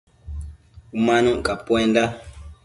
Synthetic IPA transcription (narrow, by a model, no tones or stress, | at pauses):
umãnũkapwɛnda